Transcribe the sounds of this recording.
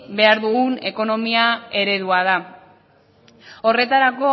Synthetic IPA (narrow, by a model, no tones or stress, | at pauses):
be̞aɾðuɣune̞ko̞no̞miae̞ɾe̞ðuaða | o̞re̞t̪aɾako̞